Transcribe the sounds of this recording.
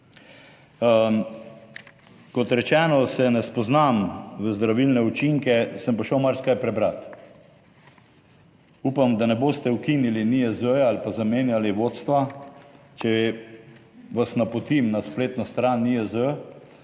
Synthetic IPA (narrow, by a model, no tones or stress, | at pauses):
kɔt̪ɾɛt͡ʃɛːnɔsɛnɛspɔznamʋəzd̪ɾaʋilnɛut͡ʃiŋkɛsəmpoʃəwmaɾskajpɾɛbɾat̪ | upamd̪anɛboːst̪ɛwkiniliniəzəjalpazameːnjaliʋoːt̪st̪ʋa | t͡ʃɛ | ʋasnapɔt̪imnaspleːt̪nɔst̪ɾaniəzə